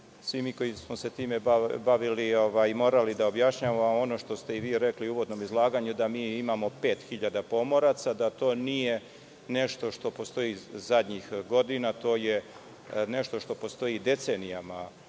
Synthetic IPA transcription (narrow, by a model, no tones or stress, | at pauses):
sʋimiko̞jismose̞t̪iːmebaʋilio̞ʋajmo̞ːɾalid̪aobjaʃɲaːʋamoo̞no̞ʃt̪o̞st̪e̞iʋiːɾe̞kliuːʋo̞d̪no̞mizlˠaːɡaːɲud̪amiːimamo̞pe̞ːt̪xiʎad̪apo̞mo̞ɾat̪sad̪at̪o̞ːnije̞ | ne̞ʃt̪o̞ʃt̪o̞po̞st̪o̞izad̪ɲixɡo̞d̪inat̪o̞ːje | neʃt̪o̞ʃt̪o̞po̞st̪o̞jid̪e̞t̪se̞ːnijama